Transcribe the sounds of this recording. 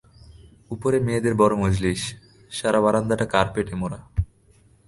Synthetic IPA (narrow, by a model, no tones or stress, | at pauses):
upoɾemed̪eɾbɔɾomod͡ʑliʃ | ʃaɾaβaɾand̪aʈakaɾpeʈemoɾa